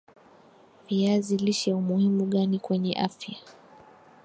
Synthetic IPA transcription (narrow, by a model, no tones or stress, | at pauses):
viaziliʃaumuhimuɠanikwɛɲɛ̰ʔafja